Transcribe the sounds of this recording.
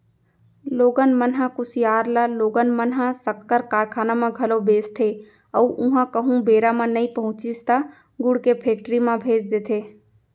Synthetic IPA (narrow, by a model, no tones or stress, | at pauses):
loːɡənmənɦãkʊsijaːɾlaloːɡənmənɦãsəkːəɾkaːɾkʰaːnamãɡʱɐlobeːst̪ʰe | əːʔʊ̃ɦãkəɦũbeːɾamãnɐĩpəɦʊ̃t͡ʃist̪a | ɡʊɽkepʰeːk̚ʈɾimãbʱeːd͡ʒd̪eːt̪ʰeː